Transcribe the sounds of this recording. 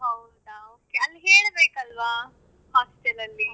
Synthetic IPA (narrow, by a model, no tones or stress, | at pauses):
ɦɐwd̪aoːkeɐlːiɦeːɭbeːkɐlʋaː | haːsʈɐlɐlːi